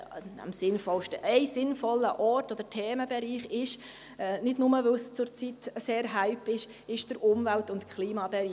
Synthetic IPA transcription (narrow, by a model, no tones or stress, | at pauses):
æ̰msɪnfɔlʃtəʔɛɪsɪnfɔlːəʔɔtɔd̪əɾtʰeːməbɛɾiːχɪʃ | nɪdnʊməʋəlst͡sʊɾt͡sitseːɾɦæɪpɪʃ | ɪʃd̥əɾʔʊmvæltʊntkʰχliːmɑbɛɾiː